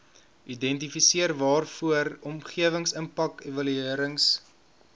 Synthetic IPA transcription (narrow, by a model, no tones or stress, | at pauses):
ʔidɛnt̬ifisiərvɑːrfuəɾɔmχiəvəŋsəmpɐkevɐlyiəɾəŋs